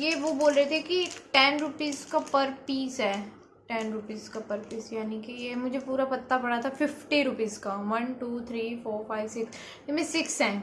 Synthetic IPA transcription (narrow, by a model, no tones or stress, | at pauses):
jeʋoboːlɾet̪ʰekiʈɛːnɾʊpiːzkapɐɾpiːsɦɛː | ʈɛːnɾʊpiːzkapɐɾpiːsjaːnikijemʊd͡ʒʱepuːɾapɐt̪ːapɐɽat̪ʰafɪfʈiɾʊpiːzkaːʋɐnʈuːt̪ʰɾiːfoːɾfaːɪʋsɪks | emẽsɪksɦɛ̃ː